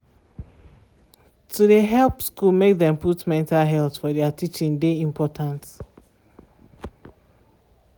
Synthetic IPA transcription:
tʰudeɦɛlˠpskulmek̚ðɛ̃mputmɛ̃ntalɦɛlθfɔdɛatʰit͡ʃĩŋdeĩmpʰɔtʰãnt

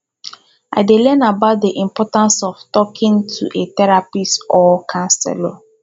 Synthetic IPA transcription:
a̰ɪdelɛnabat̚deʔĩmpɔtãnsɔftɔkʰɪ̃ŋtʰṵʔetɛɾapisɔkʰãnsɛ̰lo

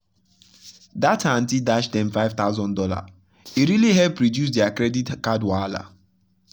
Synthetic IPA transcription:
datʰan̩tidaʃdɛ̃mfaɪv̥t̪aʊzɔ̃ndɔla̰ | iɾiliɦɛlpɹɔdjus̬dɛakɾɛditkadwala̰

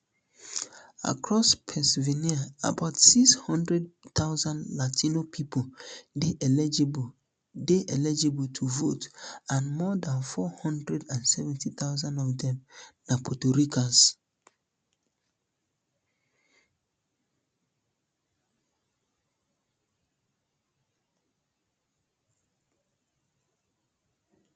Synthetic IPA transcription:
a̰kɹɔspʰɛ̃sviniaa̰baʊtsikshɔ̃ndɹɛd̚t̪aʊzãndlatʰinopʰipʰodeʔɛ | deʔɛlɛd͡ʒebətʰuvotãnmɔdãnfɔhɔ̃ndɹɛdãnsɛvɛ̃ntʰiθaʊzãndɔvdɛ̃mnapʰotoɾikas

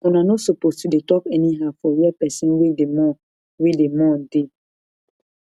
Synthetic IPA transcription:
ɔ̃nanosopostudetɔkɛniɦafɔwɛpɛsĩnwedemɔ | wedemɔn̩de

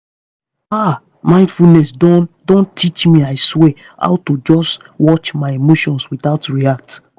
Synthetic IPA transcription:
a | mãɪ̃ndfulnɛsdɔ̃ndõntʰit͡ʃmĩaɪswɛ | a̰ʊtod͡ʒɔs | wɔt͡ʃmaɪemoʃɔ̃nswiθaʊtɹiak̚t

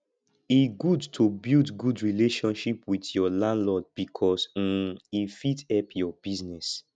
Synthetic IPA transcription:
iɡudtʰobildɡudɹileʃɔ̃nʃipwitjɔlãndlɔd̚b̥ikʰɔsm̩ifitɛpʰjɔb̥iznɛs

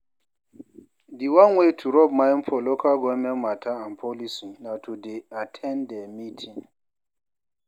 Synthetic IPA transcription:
diwanwetʰuɾɔbmaimpʰɔlɔkʰaɡɔmɛmatʰaanpʰɔlisinatʰudeatʰɛndɛmitʰiŋ

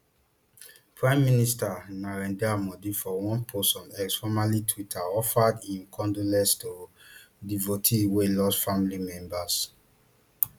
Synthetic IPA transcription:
pɹãɪ̃mːinistanaɹɛ̃ndamɔdifɔwɔ̃npʰostɔ̃nɛksfɔmalitʰwitʰaɔfadĩnkʰɔ̃ndolɛ̃stodivotʰiwelɔsfamilimɛ̃mbas

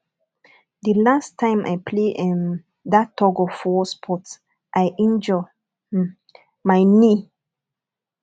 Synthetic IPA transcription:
dəlastʰãɪ̃mʔa̰jpʰleɛ̃n | datʰːɔɡɔfɔspʰɔt | ʔajʔĩnd͡ʒɔ | maɪni

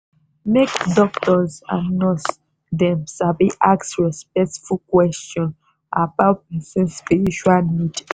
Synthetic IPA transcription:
mekdɔktɔza̰nɔs | dɛ̃msabiʔaksɹɛspɛk̚tfukwɛstɔ̃n | abaʊt̚pɛsɛ̃nspiɹiʃualnid

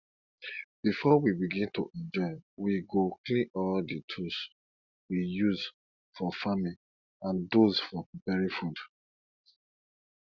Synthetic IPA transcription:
b̥ifɔwibiɡĩnto̰ʔɛ̃nd͡ʒɔɪwiɡoklĩʔɔlditʰus | wijuz | fɔfami | ãndozfɔpipɛɹifud

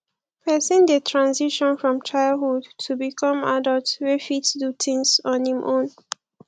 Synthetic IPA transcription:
pʰɛsĩndetʰɹãnziʃɔ̃nfɹɔ̃mtʰɹaɪlhudtʰubikʰɔ̃madəltwɛfitsdutʰĩŋsɔ̃nhĩmʔõn

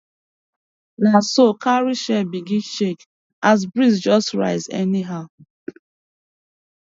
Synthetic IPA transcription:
nasokʰaɹiʃɛbiɡĩnʃek | az̬bɹisd͡ʒɔstɹa̰ɪzɛ̰niɦaʊ

